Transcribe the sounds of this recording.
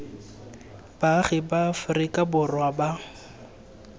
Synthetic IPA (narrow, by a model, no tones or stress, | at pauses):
b̥aχɪbafʊrɪkʼabʊrwaba